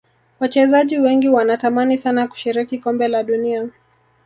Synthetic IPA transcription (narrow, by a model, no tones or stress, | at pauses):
wat͡ʃɛzaʄiwɛŋɡiwanatamanisanaku̥ʃiɾikikɔmbɛlaɗunia